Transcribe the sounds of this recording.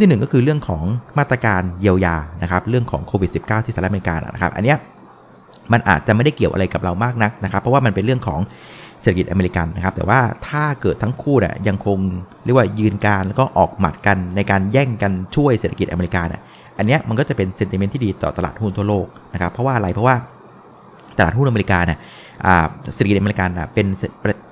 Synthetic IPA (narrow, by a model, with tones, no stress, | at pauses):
t̪ʰi˥˩nɯ˨˩ŋkɔ˥kʰɯː˧ɾɯ˥˩əŋkʰɔː˩˦ŋmaː˥˩t̪ːɾa˧kaː˧nji˧əwjaː˧na˦˥kʰa˦˥p̚ɾɯ˥˩əŋkʰɔː˩˦ŋkʰoː˧wi˨˩t̪̚si˨˩p̚kaː˥˩t̪ʰiː˥˩aː˨˦˥ʔme˧i˧ka̰ː˧na̰˨˩na˦˥kʰa̰˦˥p̚ʔa̰˧nːi˦˥ɐ | ma˧nʔa̰ː˨˩t̪̚t͡ɕa˨˩ma˥˩da˥˩jki˨˩əwʔa̰˧ɾa˧jka˨˩p̚ɾa˧wmaː˥˩k̚na˦˥k̚na˦˥kʰa˦pʰːɔ˦waː˥˩ma˧npe˧nɾɯ˥˩əŋkʰɔ̰ː˩˦ŋ | se˨˩a˩ki˨˩ʔa˧me˧i˧ka˧nːa˦˥kʰa˦˥p̚t̪ɛ̰˨˩waː˥˩t̪ʰaː˥˩kɤː˨˩t̪ʰːa˦˥ŋkʰuː˥˩nḭ˨˩əja˧ŋkʰo˧ŋɾi˥˩kwaː˥˩jɯː˧nkaː˧nlɛː˦˥kɔː˥˩ʔɔː˨˩k̚ma̰˨˩t̪̚ka˧nːa˧jkaː˧njɛː˥˩ŋka˧nt͡ɕʰu˥˩əjseː˨˩t̪ʰa˧ki˨˩t̪ʔa̰˧meː˧i˧kaː˧nḭ˨˩ | ʔa˧nːi˦˥ɐma˧nkɔː˥˩t͡ɕa˨˩pe˧nse˧nt̪i˨me˦˥t̪ʰiː˥diː˧t̪ɔ̰ː˨˩t̪a˧la̰ː˨˩t̪̚hu˥˩nt̪ʰu˥˩ɐloː˥˩k̚na˦˥kʰa˦˥pʰɾɔ˦waː˥˩ʔɾa˧jpʰɾɔ˥waː˥˩ | t̪a˧la̰ː˨˩t̪hu˥˩nʔme˧i˧kaː˧ni˨˩ə | ʔa̰ː˨˩se˨˩t̪ʰːki˩ʔa˧me˧i˧ka˧nːa̰˨˩pe˧nsp